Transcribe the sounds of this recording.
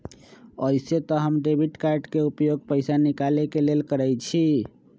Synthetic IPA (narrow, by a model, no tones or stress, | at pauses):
əjset̪ɔɦəmɖebʱiʈkaɾɖkeupjoɡ̚pəɪsanikalekelelkəɾɛjt͡ʃʰi